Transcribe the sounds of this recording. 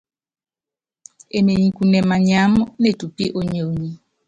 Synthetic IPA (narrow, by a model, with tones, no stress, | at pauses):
e˨me˨ɲĩ˨ku˨nɛ˨ma˨ɲa˨˦m˦ne˦˨tu˨pi˦ʔo˦ɲo˨˦ɲi˦